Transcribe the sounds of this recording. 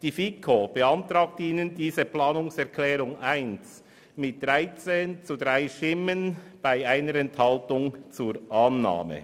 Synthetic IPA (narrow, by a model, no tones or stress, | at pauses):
d̥iːfikʰob̥əantɾaːk̚tiːnəndiːzəplaːnʊŋsɛʁkʰlɛːɾʊŋaɪns | mɪt̚d̥ʁaɪt͡seːnt͡sudʁaɪʃtɪmənb̥aɪaɪnəɾɛnthɑltʊŋt͡suːɾʔaːnːa̰ːmə̰